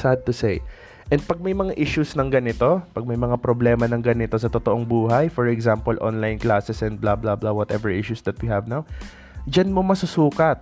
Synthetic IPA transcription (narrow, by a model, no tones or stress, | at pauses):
sad̪̚t̪ʊsej | ʔɛ̃nd̪̚pɐɡ̚mɐjmɐŋaʔɪʃusnɐŋɡɐnɪt̪o̞pɐɡ̚mɐjmɐŋapɾoblɛːmɐnɐŋɡɐnɪt̪o̞sɐt̪ot̪oʔoŋbuːɦajfɔɹɛɡzampolʔo̰nlajnklaːsɛsɛ̃nd̪̚blablablawɔt̪ɛ̰vɛɹʔɪʃusd̪ɐt̪̚wihɐvnaw | d͡ʒɐnmomɐsʊsuːkɐt̪̚